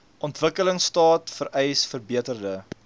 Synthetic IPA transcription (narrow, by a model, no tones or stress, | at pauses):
ʔɔntvəkələŋstɑːtfəɾʔɛjsfərbiətərdə